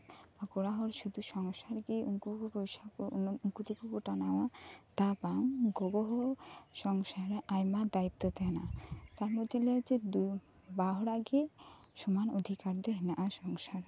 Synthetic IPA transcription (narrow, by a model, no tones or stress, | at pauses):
bakoɽaɦɔɾʃud̪ʱuʃɔŋʃaɾɡiuŋkukupojʃakuŋkut̪ikukuʈanawat̪abaŋɡoboɦoʃɔŋʃaɾeʔajmad̪ait̪ːot̪ɛnat̪aɾmod̪ʱːelet͡ɕed̪u | baɦɾaɡe | ʃumanod̪ʱikaɾd̪eɦnaʔaʃɔŋʃaɾ